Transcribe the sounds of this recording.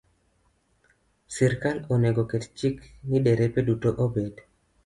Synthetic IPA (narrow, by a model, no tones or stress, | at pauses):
siɾkaloneɡokett͡ʃikniɗeɾepedutoʔobed